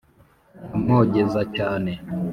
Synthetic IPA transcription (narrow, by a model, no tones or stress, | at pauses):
amoɟezacaːne